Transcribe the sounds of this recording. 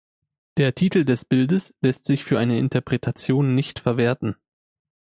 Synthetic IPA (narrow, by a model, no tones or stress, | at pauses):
d̥eːɐtʰiːtl̩dɛsb̥ɪldəslɛstz̥ɪçfyːɐʔaɪnəɪ̰ntɐpʁ̥ɛtʰat͡sjoːnːɪçtfɛɐveːɐtn̩